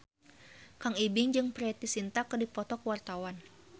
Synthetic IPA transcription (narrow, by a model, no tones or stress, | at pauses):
kaŋibɪŋd͡ʒɨŋpɾɛt̪isint̪akədipɔt̪ɔkwart̪awan